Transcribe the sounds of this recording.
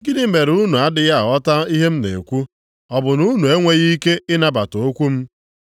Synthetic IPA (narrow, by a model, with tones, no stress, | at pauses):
ɡɪ˦nɪ˦me˨ɾu˦nu˨a˦dɪ˦ja˦˨ɔ˦ta˦i˦ɦe˦m̩˦nḛ˨kʷu˦ | ɔ˨bʊ˨nu˦nu˨e˦ŋʷe˦ɣi˦ke˦ɪ˦na˦ba˨to˨o˦kʷu˦m̩˦